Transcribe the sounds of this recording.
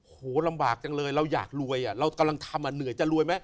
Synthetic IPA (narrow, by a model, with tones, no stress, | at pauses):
hoː˨˩˦la˧mbaː˨˩k̚t͡ɕa˨˧ŋlɤː˧jɾa˧wja̰ː˨˩k̚lu˧əjʔa˨˩ɾa˧wka˧mla˧ŋt̪ʰa˧mʔaː˧˩nɯ˩˦jt͡ɕa˨˩ɾu˧əjma˦˥j